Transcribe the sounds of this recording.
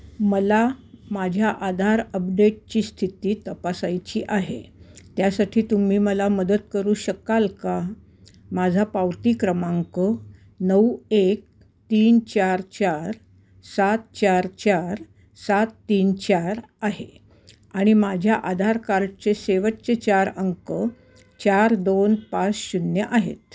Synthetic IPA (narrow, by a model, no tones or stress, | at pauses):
məlamad͡ʑʱjaʔad̪ʱaɾəpɖeʈ̚t͡ɕiːst̪ʰit̪iːt̪əpasajt͡ɕiːʔaɦḛt̪jasaʈʰiːt̪um̤iːməlaməd̪ət̪kəɾuːɕəkalka | mad͡zʱapaʋt̪iːkɾəmaŋkə | nəwek̚ | t̪iːnt͡ɕaɾt͡ɕaɾ | sat̪̚t͡ɕaɾt͡ɕaɾ | sat̪ːiːnt͡ɕaɾ | aɦḛ | aɽ̃imad͡ʑʱjaʔad̪ʱaɾkaɾt͡ɕeseʋəʈt͡set͡ɕaɾəŋkə | t͡ɕaɾd̪onpat͡sɕunjəʔaɦḛt̪̚